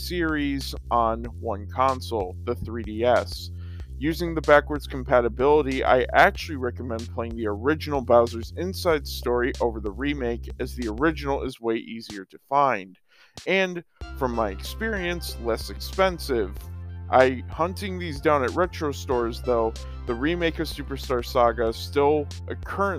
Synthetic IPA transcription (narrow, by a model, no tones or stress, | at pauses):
sɪɹiz | n̩ | wʌ̃nkʰɑ̃nsl̩ˠðəθɹiɾiɛs | jʉzɪ̃ŋðɨbækwə˞dz̥kʰm̩pʰæɾɨbɪlˠəɾia̰ɪʔæk̚t͡ʃʉl̩ˠiɹɛkəmɛ̃ndpʰl̥eɪɪ̃ŋðiə˞ɪd͡ʒɨn̩l̩ˠbaʊzə˞zɪ̃nsaɪd̥stɔɹiʔoʊvə˞ðəɹimeɪkɨzðiə˞ɪd͡ʒɨnl̩ˠɪzweɪʔiziə˞ɾɨfãɪ̃nd | ɨ̃nfɹʌ̃mːaɪɨkspɪɹiɨ̃nslɛsɨkspɛ̃nsɪvʔaɪhʌ̃ntɪ̃ŋðizdãʊ̃nɨt̚ɹɛt͡ʃɹ̥oʊstɔɹzðoʊ | ðɨɹimeɪkʌv̥sʉpə˞stɑɹsɑɡɨstɪlˠ | ʔɨkʰɜ˞ɨ̃